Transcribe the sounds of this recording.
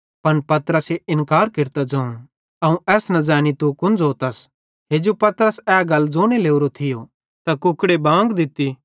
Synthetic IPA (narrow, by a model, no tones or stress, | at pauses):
pɐnpɐt̪ɾəseɪnkaːɾkɪɾt̪ad͡zɐ̃ːũ | ɐũʔɛːsnɐd͡zãːnit̪ukʊ̃nd͡zoːt̪ɐs | ɦeːd͡ʒopɐt̪ɾəsɛːɡɐlːd͡zoːñeleːuɾot̪ʰɪjo | t̪ɐkʊkɽebãːŋɡd̪ɪt̪i